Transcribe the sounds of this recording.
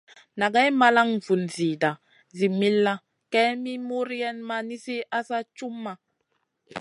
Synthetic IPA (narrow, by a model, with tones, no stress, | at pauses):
na˨ɡa˦jma˦la˦ŋvu˨nzi˨da˨ | zi˨mi˦lːa˦ | kɛ˦mi˦mu˦ɾjɛ˦nma˦ni˦si˦ʔa˦sa˦t͡ʃu˦mːa˨